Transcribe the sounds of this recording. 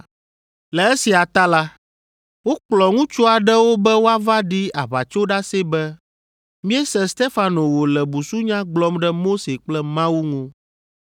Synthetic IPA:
lɛ˨e˦si˨a˨t̪a˦la˦ | wo˦k͡plɔ˨ŋũ˦t͡ʃu˦a˨ɖɛ˦wo˦bɛ˦wo˦a˦va˦ɖi˦a˨βa˨t͡ʃo˦ɖa˦se˦bɛ˦ | mĩ˦ɛ˦sɛ̃˦st̪e˦fa˨no˨wo˨lɛ˨bu˨su˦ɲã˦ɡ͡blɔ˦mɖɛ˦mo˦se˨k͡plɛ˦mã˦wu˦ŋũ˦

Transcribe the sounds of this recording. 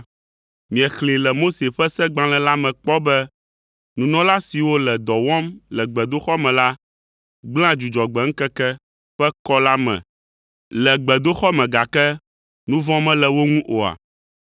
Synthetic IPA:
mĩ˨ɛ˨xlẽ˨lɛ˨mo˦se˨ɸɛ˦sɛ˦ɡ͡bã˦lɛ̃˨la˦mɛ̃˨k͡pɔ˦bɛ˦ | nũ˨nɔ̃˦la˦si˨wo˦lɛ˨d̪ɔ˨wɔ̃˦mlɛ˨ɡ͡bɛ˨d̪o˦xɔ˦mɛ̃˨la˦ | ɡ͡bl̃ã˦d͡ʒu˨d͡ʒɔ˨ɡ͡bɛ˨ŋ̩˦kɛ˦kɛ˦ | ɸɛ˦kɔ˦la˦mɛ̰̃˨ | lɛ˨ɡ͡bɛ˨d̪o˦xɔ˦mɛ̃˨ɡa˨kɛ˦ | nũ˦vɔ̃˦mɛ̃˦lɛ˨wo˦ŋũ˦ʔo˨a̰˨

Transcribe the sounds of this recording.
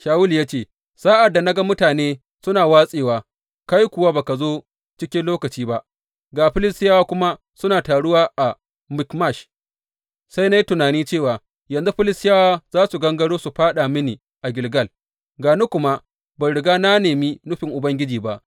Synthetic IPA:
ʃaː˨wʊ˦ljaː˦t͡ʃeː˦˨ | saː˦ʔa˨dːa˨na˦ɡa˦mʊ˦taː˨neː˦ | sʊ˦naː˨waː˦sʼeː˨waː˨ | ka˦jkʷʊ˨waː˦baː˨ka˨zoː˦ | t͡ʃɪ˦kʲɪ˦nloː˦kɐ˨t͡ʃiː˦ba˦ʔ | ɡaː˨ɸɪ˦lɪ˦stɪ˦jaː˦waː˦kʷʊ˦ma˦ | sʊ˦naː˨taː˨ɽʊ˦waː˦ʔa˨ | mɪ˨˦kma˦˨ʃ | sa˦jna˦ji˦tʊ˨naː˨niː˦t͡ʃeː˦˨waː˨ | jɐ˨nzu˦ɸɪ˦lɪ˦˨saː˦waː˦z̥aː˦su˨ɡɐ˦ŋɡɐ˦ɽoː˦su˨ɸaː˦ɗa˨mɪ˦niː˨ | ʔa˨ɡʲɪ˨lɡɐ˦l | ɡaː˨nu˦kʷʊ˦ma˦ | ba˨ɽɪ˨ɡaː˦na˦neː˨mi˦nʊ˦ɸɪ˨ŋʔʊ˨bɐ˦ŋɡʲɪ˦d͡ʒiː˨ba˦ʔ

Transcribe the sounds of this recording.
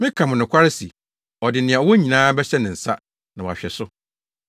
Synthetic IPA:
mɪ̃˦kʰã˨mʊ̃˨nʊ̃˨kʷʰa˦ɾɪ˦si˨ | ɔ˨dɪ˨nɪ̃˨ɛ̃˨ɔ˨wɔ˦ɲĩ˨nãː˦bɛ˦ɕɛ˦nɪ̃˨n̩˨sa˦ | nã˨wɔ˨a˨ɕᶣɛ˨sʊ˦

